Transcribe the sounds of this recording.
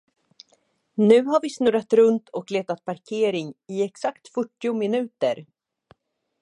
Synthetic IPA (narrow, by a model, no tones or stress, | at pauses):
nʉ̟ːɦaɾvɪsnɵɾat̪ɾɵnt̪ʰɔkleːt̪at̪̚pʰaɾkʰeːɾɪŋɪɛksakt̪fœʈːɪʊmɪnʉ̟ːt̪əɾ